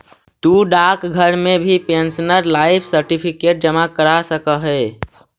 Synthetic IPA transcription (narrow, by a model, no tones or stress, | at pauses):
t̪uɖaːkɡʱəɾmẽbʱipẽnsnəɾlaːɪpʰsəɾʈipʰikeːʈ̚d͡ʒəmakəɾasəkəɦɛː